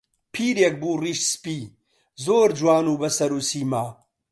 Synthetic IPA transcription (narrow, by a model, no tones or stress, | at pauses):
pʰiːɾek̚buːriːʃspiː | zoːɾd͡ʒwaːnuːbɐsɐɾuːsiːmaː